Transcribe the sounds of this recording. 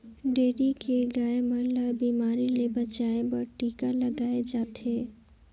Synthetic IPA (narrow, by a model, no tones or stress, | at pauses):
ɖeːɾikeɡaːemə̃ləbiːmaːɾilebɐt͡ʃaːẽbɐʈiːkalɐɡaːed͡ʒaːt̪ʰeː